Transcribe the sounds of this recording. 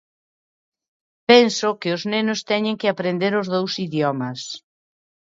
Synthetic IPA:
pɛnsʊkɪoznenʊst̪ɛɲɪ̃ŋkɪapɾend̪eɾʊzðowsiðjɔmɐs

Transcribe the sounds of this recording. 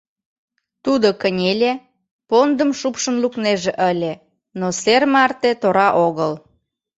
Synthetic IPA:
t̪ud̪okənʲelʲe | pond̪əmʃupʃə̆nlukneʒeʔəlʲe | nosermɑrt̪et̪oɾɑʔoɣəl

